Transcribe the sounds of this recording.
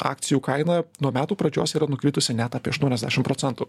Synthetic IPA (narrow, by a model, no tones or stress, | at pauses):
ɑ̰ːk̚t̪sʲɪjuːkɐɪnɐnuɔmʲæːt̪uːpɾɐd͡ʒʲoːsiːɾɐnʊkɾʲiːt̪ʊsʲɪnʲɛt̪ɑːpʲiɛɐʃt̪uɔnʲɛzd̪ʲæːʃʲɪmpɾoːsʲɛnt̪u